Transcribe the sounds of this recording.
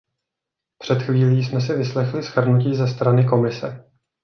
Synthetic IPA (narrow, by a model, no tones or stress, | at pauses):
pr̝̥ɛt̪xviːliːsmɛs̬ɪvɪslɛxlɪsxr̩nuciːzɛst̪ɾanɪk̬o̞mɪsɛ̰